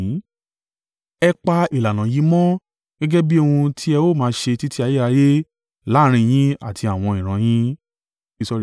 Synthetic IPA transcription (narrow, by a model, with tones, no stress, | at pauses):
ɛ˧k͡pa˧i˨la˨nã˨ji˨˦mɔ̃˦ | ɡ̥ɛ˦ɡɛ˦bi˦o˧ũ˧tʰi˦ɛ˧wo˦˨mãː˨˧˦ʃe˧ti˦ti˦a˧je˦ɾa˧je˦ | la˨˦ɾ̃ĩ˧j̃ĩ˦a˦˨tʰi˧a˨w̃ɔ̃˧ĩ˨ɾ̃ã˨˧˦j̃ĩ˦ | i˦sɔ˧ɾi˨